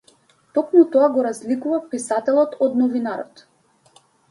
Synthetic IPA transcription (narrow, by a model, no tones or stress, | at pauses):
t̪ɔkmut̪ɔaɡɔɾazlikuvapisat̪ɛlˠɔt̪ɔd̪nɔvinaɾɔ̰t̪